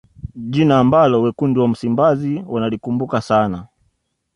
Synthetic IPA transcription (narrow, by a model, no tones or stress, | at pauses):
ʄinaːmbalɔwɛkundiwam̩simbaziwanalikumbukasana